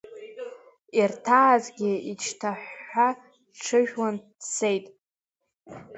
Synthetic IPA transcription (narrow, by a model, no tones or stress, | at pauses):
irtʰaːzɡʲɪit͡ʃʰtʰaħːa | ʈ͡ʂʰɨʒᶣwan | sejtʼ